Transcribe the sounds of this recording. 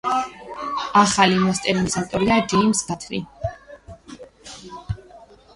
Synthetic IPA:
aχalimɔst̪ʼɛɾnisat̪ʼɔɾiad͡ʒimsɡat̪ʰɾḭ

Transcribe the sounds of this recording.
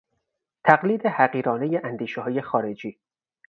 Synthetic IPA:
t̪ʰæɢliːd̪ehæɢiːɾɒːnejeʔænd̪iːʃeɦɒːje̞xɒːɾe̞d͡ʒiː

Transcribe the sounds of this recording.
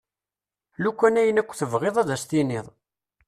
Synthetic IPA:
lukʷːænæjənækʷːθəvʁeðˤæðæst̪iniðˤ

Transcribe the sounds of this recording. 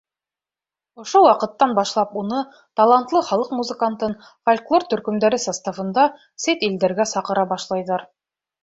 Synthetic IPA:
ŏʃowɑqɤ̆t̪ːɑnbɑʃlˠɑpunɤ | t̪ɑlˠɑnt̪lˠɤχɑlˠɤqmuzɘ̆kant̪ɤn | folʲklˠort̪ɵ̆ɾkɵ̆md̪æɾɘsɑst̪afɤ̆nd̪ɑ | set̪ild̪æɾɡæsɑqɤ̆ɾɑbɑʃlˠɑjðɑɾ

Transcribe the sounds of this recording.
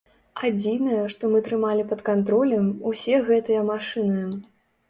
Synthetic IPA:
ad͡zʲinɐjɐʂt̪ɔmɨt̪ɾɨmalʲipɐt̪kant̪ɾɔlʲɐmusʲɛɣɛt̪ɨjɐmaʂɨnɨ

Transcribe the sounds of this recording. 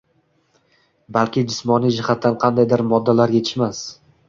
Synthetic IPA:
balkʲɪd͡ʒɪsmɒnijd͡ʒɪhat̪ʰːanqʰɑnd̪ajd̪ɪɾmɒd̪ːalaɾje̞t̪ʰɪ̥ʃmas

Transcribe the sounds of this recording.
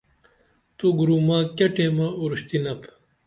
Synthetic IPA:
t̪uɡuɾumaːkɐʈeːmaːuɾuɕt̪inɐp

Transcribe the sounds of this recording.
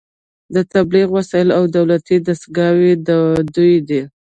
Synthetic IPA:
d̪ət̪abliɣwasɑjɪlawd̪awlat̪id̪asɡɑwed̪əd̪ujd̪i

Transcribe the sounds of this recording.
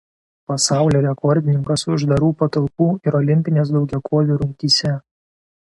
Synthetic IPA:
pɐsɑˑʊlʲoːɾʲɛkʰɔɾʲd̪ʲɪnʲɪŋkɐsʊʒd̪ɐɾuːpɐt̪ɐlˠpuːɪɾɔlʲɪmʲpʲɪnʲeːsd̪ɒʊɡʲɛkʰoːʋʲuːɾʊŋʲkʲiːsʲɛ

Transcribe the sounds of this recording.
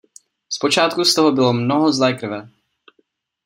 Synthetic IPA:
spo̞t͡ʃaːt̪kust̪oɦobɪlo̞mnoɦozlɛːkr̩vɛ

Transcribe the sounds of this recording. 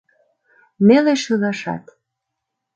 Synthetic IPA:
neleʃɯɣɑʃɑ̰t̪

